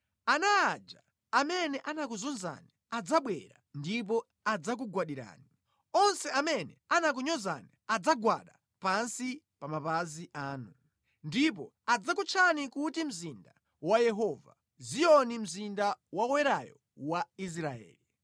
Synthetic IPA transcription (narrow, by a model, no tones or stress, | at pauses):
anaːd͡ʒa̰ | amɛnɛʔanak̬uzunza̰ni | ad͡zaɓwɛ̰ɾandip̬ɔ | ad͡zak̬uɡwaɗiɾa̰ːni | ɔnsɛamɛnɛanak̬uɲɔza̰niad͡zaɡwa̰ɗa | pansi | pamapaziʔaːnu | ndip̬ɔ | ad͡zakut͡ʃʰanikutim̩zinda | wajɛɦɔva̰ | zijɔnim̩zindawawɛɾajɔ̰ | wais̬ɾaɛ̰ːli